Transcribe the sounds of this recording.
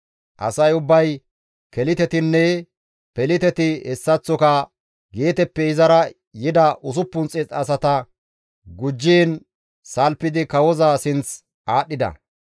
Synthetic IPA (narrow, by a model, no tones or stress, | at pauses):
ʔɐ̰sɐjʊbːɐj | kɛlɪt̪ɛt̪ɪnːɛ | pɛlɪt̪ɛt̪ɪɛsːɐt͡sːɔkɐ | ɡeːt̪ɛpːɛɪzɐɾɐ | jɪd̪ɐʔʊs̬ʊpːʊnt͡sʼɪt͡sɐsɐt̪ɐ | ɡʊd͡ʒːiːn | sɐlpːɪd̪ɪkɐwɔzaːsɪnt͡s | aːɗːɪd̪ɐ̰